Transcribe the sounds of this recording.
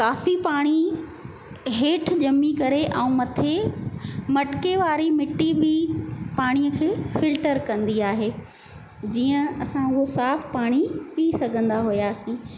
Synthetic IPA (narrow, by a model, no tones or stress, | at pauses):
kaːfipaːɽ̃i | ɦeːʈʰd͡ʑɐmːikɐɾeʔɛ̃ũmɐt̪ʰe | mɐʈkeʋaːɾimɪʈːibʱɪpaːɽ̃ijəkʰeːfɪlʈəɾkɐ̃nd̪iaːɦeː | d͡ʑiːə̃ɐsãʊɦosaːfpaːɽ̃ipisɐɡʱə̃nd̪aɦujaːsĩː